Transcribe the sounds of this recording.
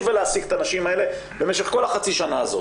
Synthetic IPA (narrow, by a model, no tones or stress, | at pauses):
veleasikt̪anaʃimae̞le̞ | bemeʃe̞χko̞laχat͡siʃanaːzo̰t